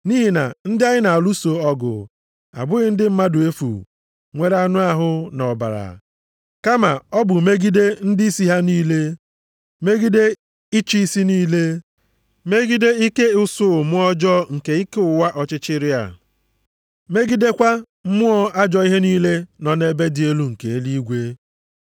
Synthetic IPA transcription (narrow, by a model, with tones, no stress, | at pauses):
ni˦ɦi˨na̰˨n̩˦dɪ˦a˦ɲɪ˦na˨lu˦so˨ɔ˦ɡʊ̰˨ | a̰˨bʊ˦ɣɪ˦n̩˦dɪ˦m̩˦ma˦dʊ˨e˦fṵ˨ | ŋʷe˨ɾa˦nʊ˦a˦ɦʊ˦nɔ˨ba̰˨ɾa̰˨ | ka˦ma˨ɔ˦bʊ˨me˦ɡi˦de˦n̩˦dɪ˦i˦si˦ɦa˦niː˦le˦ | me˦ɡi˦de˦ | i˦t͡ʃi˦i˦si˦niː˦le˦ | me˦ɡi˦de˦i˦ke˦ʊ˦sʊ˦˨mʊ˦ɔ˦d͡ʒɔ˦ŋ̩˨ke˨i˦ke˦ʊ˨wa˦ʔɔ˦t͡ʃɪ˦t͡ʃɪ˦ɾɪ˦a̰˨ | me˦ɡi˦de˦kʷa˦ | m̩˦mʊ˦ɔ˦a˦d͡ʒɔ˦i˦ɦe˦niː˦le˦nɔ˨ne˦be˦dɪ˨e˦lu˦ŋ̩˨ke˨e˦li˦i˦ɡʷe˦